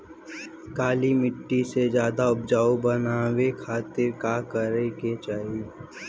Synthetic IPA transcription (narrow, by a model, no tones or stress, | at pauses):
kaːlimɪʈːised͡ʒjaːd̪aʊb̚d͡ʒaːobənaːwekʰaːt̪ɪɾkaːkəɾeket͡ʃaːɦi